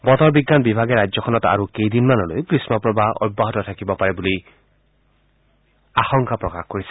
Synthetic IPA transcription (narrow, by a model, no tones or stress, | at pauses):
bɔtɔɹbiɡːanbibʱaɡɛɹad͡ʒzɔkʰɔnɔta̰ɹukejdinmanɔlo̰jkɹismɔpɹɔbaʔɔ̰jbːaɦɔtɔtʰakibɔpaɹɛbuli | axɔŋkapɹɔkaxkoɹisɛ̥